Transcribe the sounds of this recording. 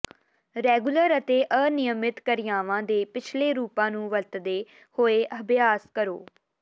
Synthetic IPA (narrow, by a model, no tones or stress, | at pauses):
ɾɛːɡuləɾət̪eːʔənɪjəmɪt̪kəɾɪjaːʋãːd̪eːpɪt͡ʃʰleːɾuːpãːnũːʋəlt̪d̪eː | hoːeːʔəbjaːskəɾo̰ː